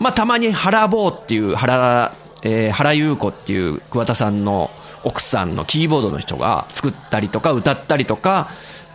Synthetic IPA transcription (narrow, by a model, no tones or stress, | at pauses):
mat̪amaɲ̟ihaɾabo̞ːt̪ːe̞jɯ̟ːhaɾa | ehaɾajɯ̟ːko̞t̪ːe̞̰jɯ̟̰ːkɯ̟βat̪asãnːo̞̰ | okɯ̟̥sã̰nːo̞̰kʲiːbo̞ːd̪o̞no̞çi̥t̪o̞̰ɡa̰t͡sɨ̥kɯ̟t̪ːaɾʲit̪o̞kaɯ̟t̪at̪ːaɾʲit̪o̞ka